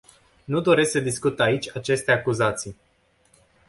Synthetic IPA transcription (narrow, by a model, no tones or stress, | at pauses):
nud̪o̞ɾe̞sksəd̪iskut̪ait͡ʃʲat͡ʃe̞st̪e̞akuzat̪sij